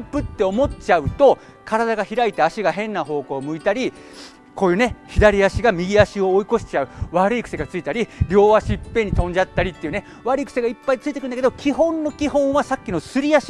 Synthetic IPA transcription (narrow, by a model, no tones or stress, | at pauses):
pɯ̟t̪ːe̞o̞mo̞t͡ɕaɯ̟t̪o̞ | kaɾad̪aɡaçiɾait̪e̞aɕiɡaɦẽ̞nːaɦo̞ːko̞ːmɯ̟it̪aɾʲi | ko̞ːjɯ̟ːne̞çid̪aɾʲiaɕiɡamʲiɡʲiaɕio̞ːiko̞ɕi̥t͡ɕaɯ̟βaɾɯ̟ikɯ̟se̞ɡat͡sɨit̪aɾʲiɾʲo̞ːβaɕipːẽ̞ɲ̟ːit̪õ̞ɲ̟d͡ʑat̪ːaɾʲit̪ːeiɯ̟ne̞ | βaɾɯ̟ikɯ̟̥se̞ɡaipːait͡sɨit̪ekɯnd̪ked̪okʲʰiɦõ̞nːokʲiɦõ̞ɰ̃βasakʲːino̞sɨɾʲiaɕ